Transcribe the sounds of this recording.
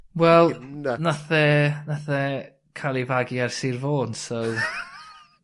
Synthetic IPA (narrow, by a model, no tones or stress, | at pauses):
wɛlˠnaθɛnaθɛ | kʰalˠivaɡiarsirvoːnsow